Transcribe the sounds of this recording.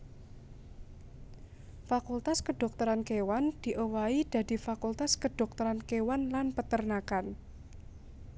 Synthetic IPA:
fakult̪askəɖ̥ɔ̤k̚t̪ɔɾankewand̪̥i̤ʔowaid̪̥a̤d̪̥i̤fakult̪askəd̥ɔ̤k̚t̪ɔɾankewanlanpət̪ərnakan

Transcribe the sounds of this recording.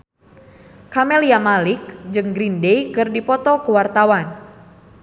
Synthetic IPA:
kamɛliamalik̚d͡ʒɨŋɡɾindejkɨrdipɔt̪ɔkuwart̪awan

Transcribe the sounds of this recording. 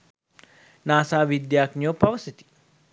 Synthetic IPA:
naːsaːʋid̪jaːknijoːpɐʋɐsit̪i̥

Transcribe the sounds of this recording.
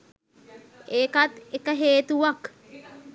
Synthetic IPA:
ekɐt̪ekɐɦeːt̪uʋɐk

